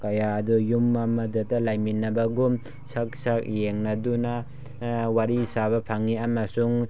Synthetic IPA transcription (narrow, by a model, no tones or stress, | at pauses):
kɐjadujumːamɐdatalajminɐbɐɡum | sɐk̚sak̚jeŋnɐduna | waɾisaβɐpʰaŋːiamɐsuŋ